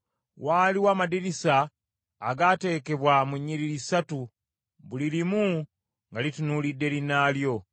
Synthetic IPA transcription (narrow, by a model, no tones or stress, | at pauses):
waːliwaːmadiɾisaː | ɡaːte̞ːke̞βwamuɲːiɾilisatu | βulilimu | ŋɡalitunuːlidːe̞linaːljo̞